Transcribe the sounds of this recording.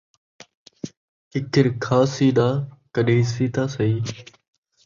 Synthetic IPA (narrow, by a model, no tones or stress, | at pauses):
ɪkʰɪɾkʰaːsiːɗaːkəɗiːsiːt̪aːsəiː